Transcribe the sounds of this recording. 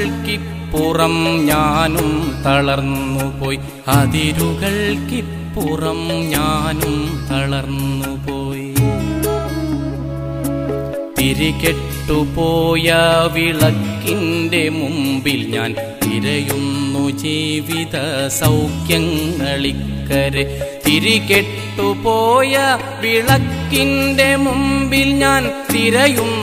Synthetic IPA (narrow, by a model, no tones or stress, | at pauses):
ki | pːurɐmɲaːnumt̪ɐɭɐrnːupo̞ːj | ɐðiɾuɣɐɭki | pːurɐmɲaːnumt̪ɐɭɐrnːupoːj | t̪iɾiɣeʈːupoːjɐʋiɭɐkːinde̞mumbilɲa̰ːn | t̪iɾɐjunːud͡ʑiːʋiðɐsɐwkjɐŋɡɐɭikːɐɾet̪iɾikeʈʈːupoːjɐ | ʋiɭɐkːinde̞mumbilɲaːnt̪iɾɐjum